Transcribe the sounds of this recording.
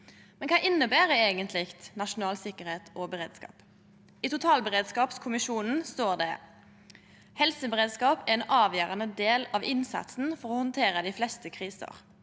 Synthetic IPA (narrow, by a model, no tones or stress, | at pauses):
mɛnkʰɑːʔɪnːəbæːʁəeːɡənt̪ʰlɪkt̪nɑʃʊnɑːlsɪkːəɾheːt̪ʰʔɔbəʁeːd̪skɑ̰ːp | it̪ʊt̪ʰɑːlbəʁeːd̪skɑːpskʰʊmɪʃuːnn̩st̪oːʁd̪ɛ | hɛlsəbəʁeːd̪skɑːpæʁɛnʔɑːʋjøːʁənəd̪eːlɑʋɪnsɑ̰t̪sn̩fɔʁɔhɔnt̪ʰeːʁəd̪ɪːflɛst̪əkʰʁiːsə̰ʁ